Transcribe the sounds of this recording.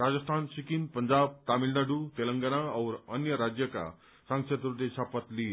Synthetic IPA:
ɾad͡zəst̪ʰansikinpəɲd͡ʑab̚t̪amilnaɖut̪elə̃ŋɡənaəwɾənjəɾad͡ʑjəka̰ | sãŋset̪ɾut̪eɕapət̪liː

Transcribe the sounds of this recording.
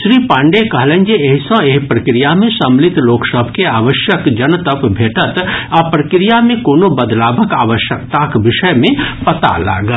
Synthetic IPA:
ʃɾiːpãːɳɖekɐɦlə̃nd͡ʒeeɦisɔ̃eɦpɾəkɾijamẽsɐmlɪt̪loːksəbʱkeaːʋəʃjəkd͡ʒɐnt̪əpbʱeːʈət̪apɾəkɾijamẽkoːnobəd̪laːbʱəkaːʋəʃjək̚t̪akʋɪʃəjmẽpɐt̪a̰la̰ːɡə

